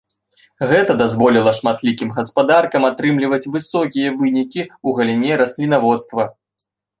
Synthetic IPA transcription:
ɣɛt̪ɐd̪azvɔlʲilˠɐʂmat̪lʲikʲimɣɐspad̪arkɐmat̪ɾɨmlʲivɐt͡sʲvɨsɔkʲijɐvɨnʲikʲiuɣɐlʲinʲɛɾɐsʲlʲinavɔt̪st̪vɐ

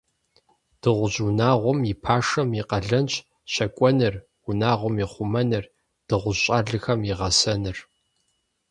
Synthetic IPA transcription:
d̥ɨʁʷʊʑunaːʁʷɔmjipʰaːʂɐmjɪqɐɮɐnt͡ʃʼ | ɕɐkʷʼɔnɨr | wʊnaːʁʷɔmjiχʷʊmɐnɨr | d̥ɨʁʷʊɕʼaːɮɨxɐmjiʁɐsɐnɨr

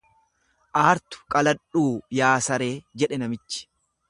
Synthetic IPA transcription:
ʔaːɾt̪ʊ̥kʼɐlɐᶑuːjaːsɐɾe̞ːd͡ʒɛᶑɛnɐmɪt͡ʃːɪ̥

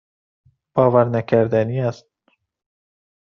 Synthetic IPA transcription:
b̥ɒːvæɾnækʰæɾd̪æniːæst̪̚

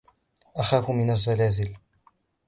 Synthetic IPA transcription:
ʔaxaːfʊmɪnazːalaːzɪl

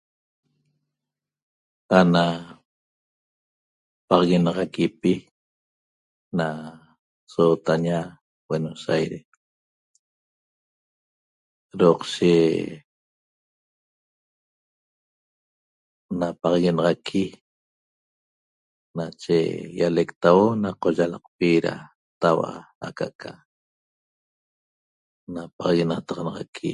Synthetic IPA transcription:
ana | pɑʁɑɣenɑʁɑkipi | na | soːt̪aɲa | wenosajɾes | ɾoːqʃe | napɑʁɑɣenɑʁɑkʰi | nat͡ʃḛjalekt̪awonaqoʒalɑqpiɾa̰ | t̪awa̰a̰kaʔkʰa | napɑʁɑɣenat̪ɑʁɑnɑʁɑkʰḭ

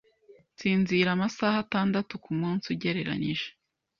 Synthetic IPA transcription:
t͡siːnziːɾamasahataːndatukumuːnsuɟe̞ɾe̞ɾa̰ɲiʒe̥

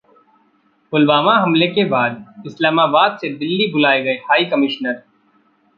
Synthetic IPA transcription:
ʊlbaːmaɦɐmlekebaːd̪̚ɪslaːmaːbaːd̪sed̪ɪlːibʊlaːeɡɐehaːikɐmɪʃnəɾ

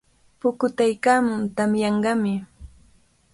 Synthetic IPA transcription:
pʊkʊt̪ajkaːmʊnt̪amjɑɴɢɑmɪ

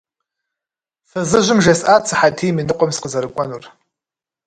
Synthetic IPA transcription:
sazɨʒʷɪmʒɐsat͡sʰaħatʰiminɨqʷʼɔmsqəzaɾɨkʷʼanur

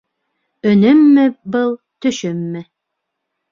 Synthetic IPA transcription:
ɵ̆nɘmːɘbɤlˠ | t̪ɵ̆ʃɵmːɘ

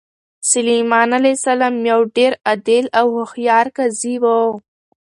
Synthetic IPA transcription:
sʊlimɑːnalesalamjawɖeɾad̪elawhʊxjɑːɾkazibo

